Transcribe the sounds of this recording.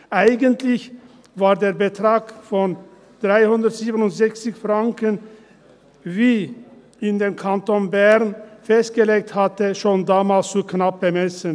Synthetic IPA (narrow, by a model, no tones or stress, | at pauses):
ʔaɪɡəntlɪç | vaːɐdeːɐbətʁ̥aːkfɔn | d̥ʁaɪhʊndɐtz̥iːbənʊntz̥ɛçt͡sɪçfʁaŋkən | viː | ʔɪndeːnkʰantonbɛʁnfɛst̚ɡ̥əleːk̚thatəʃoːndaːmaːlst͡suknap̚b̥əmɛsən